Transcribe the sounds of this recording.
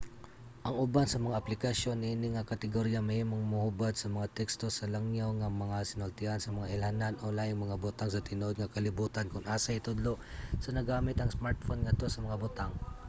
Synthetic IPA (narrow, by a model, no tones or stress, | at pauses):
ʔɐŋʊbansɐmɐŋaʔɐplɪkɐʃjo̞nːɪʔɪniŋɐkɐt̪ɛɡoɾjamɐhiːmoŋmʊhubad̪̚sɐmɐŋat̪ɛkst̪o̞sɐlɐŋjawŋɐmɐŋasɪnolt̪ɪʔansɐmɐŋaʔɪlhananʔolajʊŋmɐŋabʊt̪aŋsɐt̪ɪno̞d̪̚ŋɐkɐlɪbuːt̪ɐnkʊŋʔaːsɐɪt̪ʊd̪lo̞ | sɐnɐɡaːmɪt̪ɐŋsmaɹt̪̚fonŋɐt̪osɐmɐŋabʊt̪aŋ